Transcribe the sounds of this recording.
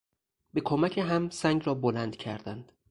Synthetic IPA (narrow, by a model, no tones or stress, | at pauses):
be̞kʰomæcʰeɦæmsæŋɡɾɒːbolænd̪̥cʰæɾd̪ænd̪̥